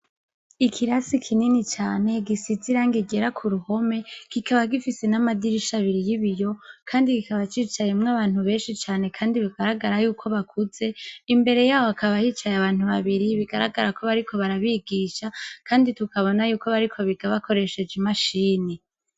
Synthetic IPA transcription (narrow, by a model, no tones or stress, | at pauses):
ikʰiɾasikʰininit͡ʃaːne̞ɡisiziɾaːŋɡiɡe̞ɾakʰuɾuho̞me̞kikʰaβaɡifise̞namadiɾiʃaβiɾijiβijo̞kʰaːndikikaβat͡ʃiːt͡ʃajemŋaβaːn̥huβe̞ːnʃit͡ʃaːne̞kʰaːndiβiɡaɾaɡaɾajuːkʰo̞βakʰuze̞imbe̞ɾe̞jaːwoakaβahiːt͡ʃajaβaːn̥huβaβiɾiβiɡaɾa̰ɡaɾako̞βaɾikʰo̞βaɾaβiɡiʃakʰaːnditukaβo̞najuːko̞βaɾikʰo̞βiɡaβakoɾe̞ʃe̞d͡ʒimaʃiːni